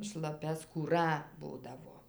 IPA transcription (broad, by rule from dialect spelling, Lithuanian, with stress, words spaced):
ʃlˠɐˈpʲɛ skuːˈrɐ ˈbuːdɐʋoː